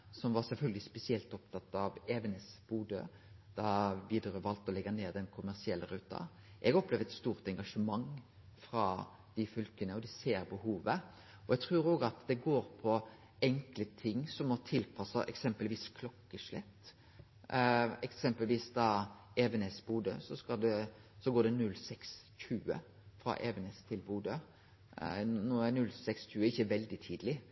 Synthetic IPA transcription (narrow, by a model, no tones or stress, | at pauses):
sɔmʋɑɾsɛlfœlɡəlɪspɛsɪɛlt̪ɔpt̪ʰɑt̪ːɑʋeːʋənesb̥uːd̪ə̰ | d̪̥ɑʋiːd̪əɾəʋɑlt̪ɔlɛɡɑneːd̪ɛnkʰʊmæʁsɪɛlːəɾʉːt̪ɑ̰ | ʔɛɡɔplɛʋd̪ɛt̪st̪uːɾt̪ɛŋɡɑʂəmɑŋ | fɾɑ | d̪̥ɪfʏlkənəɔd̪ɪseːɾbəhuːʋə | ɔɛɡ̚t̪ʰɾʉːɾoːɡɑt̪d̪ɛɡoːɾpʰɔ | ɛŋklət̪ʰɪŋːsɔmɔt̪ʰɪlpʰɑsɑʔɛ̰ksɛmpəlʋiːskʰlɔkːəʂlɛt̪ː | ɛksɛmpəlʋiːsd̪ɑːɛʋɛnɛsbuːd̪ə̰sɔskɑld̪ɛsɔɡoːɖ̪ɛnʉlːsɛksçʉːə̰ | fɾɑ̰ʔɛːʋɛnɛst̪ʰɪlbuːd̪ə | nɔːænʉlsɛksçʉːəɪçːəʋɛld̪ɪt̪ʰiːd̪əlɪ